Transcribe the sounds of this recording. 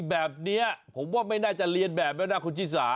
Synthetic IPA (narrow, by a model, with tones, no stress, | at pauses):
bɛː˨˩p̚ni˦˥ɐpʰo˩˦mwaː˥˩ma˥˩jnaː˥˩t͡ɕa˨˩li˧ənbɛː˨˩p̚nɛ˦˥naː˦˥˩kʰu˧nt͡ɕ̪ʰiː˥˩sa̰ː˨˩˦